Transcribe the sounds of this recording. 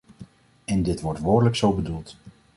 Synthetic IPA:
ɛndɪtʋɔɹtʋoːdələksowbədulˠt

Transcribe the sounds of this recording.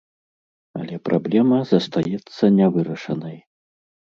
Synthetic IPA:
ɐ̰lʲɛpɾʔablʲɛmɐzɐst̪ajɛt̪sːɐnʲɛvɨɾɐʂɐnɐj

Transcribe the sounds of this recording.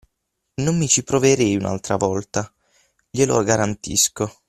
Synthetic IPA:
nomːit͡ʃipɾoveɾɛjuna̰lt̪ɾavɔlt̪a | ʎelo̰ɡaɾant̪ḭsko

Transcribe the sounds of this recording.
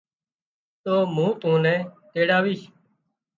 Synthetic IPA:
t̪oːmũːt̪ũːnɛ̃ːt̪eːɽaːʋiːʃ

